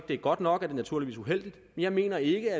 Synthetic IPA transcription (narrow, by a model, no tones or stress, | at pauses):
d̥e̝æɐɡ̥ɒ̽d̥nɒ̽ɡ̥æɐd̥e̝næt͡sʰuɐiʋḭsuɦel̰d̥id̥menjɑ̈ɪme̝̰ːnɐe̝ɡ̥əæ